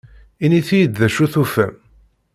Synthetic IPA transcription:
iniθijəd̪ðæʃuθufæm

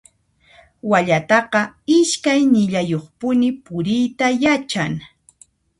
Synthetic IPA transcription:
waʎat̪ɑqɑɪʃkajnɪʎajoχpʊnɪpʊɾɪjt̪ajat͡ʃaŋ

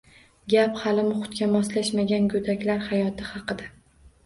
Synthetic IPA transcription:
ɡʲaphalɪmʊχʊ̥t̪̚kʲamɒslaʃmaɡʲanɡɵd̪akʲlaɾhajɒt̪ʰɪhɑqɨd̪a

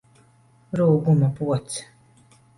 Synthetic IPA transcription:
ɾuːɡumapuɔt̪s

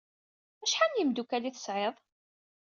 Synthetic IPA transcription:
æʃħanjimd̪ukæliθə̥sʕeðˤ

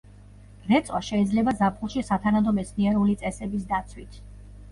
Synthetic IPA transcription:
ɾɛt̪sʼwaʃɛid̪zlɛbazapʰulˠʃisat̪ʰanad̪ɔmɛt̪sʰniɛɾulit̪sʼɛsɛbis̬d̪at̪sʰwit̪ʰ

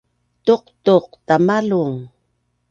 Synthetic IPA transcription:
t̪oqt̪oqt̪amaluŋ

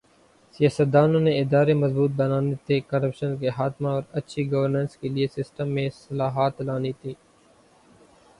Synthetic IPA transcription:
sɪjaːsət̪̚d̪aːnõneɪd̪aːɾemɐzbuːt̪̚bɐnaːnet̪ʰekɐɾəpʃənk̬eɦaːd̪maɔːɾɐtːʃʰiɡəʋəɾnə̃ːnskeliesɪsʈəmːẽsɐlaːɦaːt̪laːnit̪ʰiː

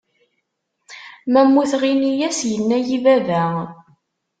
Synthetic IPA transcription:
mæmːuθʁinijæsjənːæjivævæ

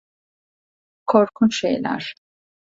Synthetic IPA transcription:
kʰɔɾkʰunʃɛ̰jla̰ɾ̥

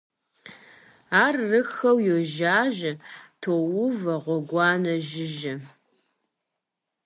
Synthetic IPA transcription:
aːrːɨxɐwjoʒaːʒɐtʰoːwʊvɐʁʷɔɡʷɑːnɐʒɪʒɐ

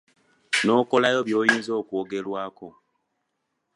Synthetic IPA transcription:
no̞ːko̞lajo̞βjo̞ːjiːnzo̞ːkuːɡe̞lwaːko̞

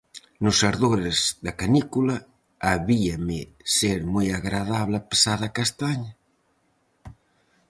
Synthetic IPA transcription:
nʊsaɾðoɾezðakanikulaː | βiamɪ | seɾmojaɣɾaðaβlape̥saðakast̪aɲɐ

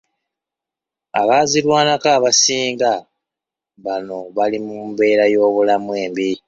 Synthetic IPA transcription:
a̰βaːziɾwaːnakaːβasiːŋɡa | βano̞βalimumbe̞ːɾajo̞ːβulamwe̞ːmbi

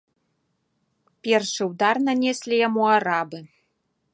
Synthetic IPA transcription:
pʲerʂɨud̪arnanʲesʲlʲijamuaɾabɨ

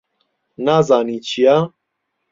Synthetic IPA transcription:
naːzaːniːt͡ʃʰijaː

